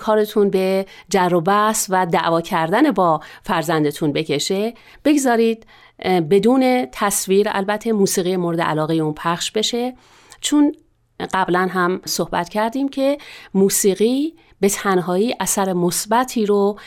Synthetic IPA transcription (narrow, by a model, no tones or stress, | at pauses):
kʰɒːɾe̞t̪ʰunbe̞d͡ʒærːobæsvæd̪æ̰ʔvɒːcʰæɾd̪ænebɒːfæɾzænd̪e̞t̪ʰunbe̞cʰe̞ʃe̞ | b̥e̞ɡzɒːɾiːd̪̥̚ | be̞d̪uːne̞t̪ʰæsviːɾæ̰lbæt̪ʰːe̞muːsiːɣijemoɾe̞d̪eʔæ̰lɒːɣejeunpʰæχʃbe̞ʃe̞ | t͡ʃʰon | ɢæblænɦæmso̞hbæ̰t̪cʰæɾd̪iːmcʰe̞muːsiːɣiː | be̞t̪ʰænɦɒːiːʔæsæɾe̞mosbæt̪ʰiːɾo